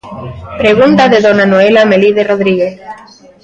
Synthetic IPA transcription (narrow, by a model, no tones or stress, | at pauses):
pɾeɣ̞unt̪aðeðonanoelameliðeroðɾiɣeθ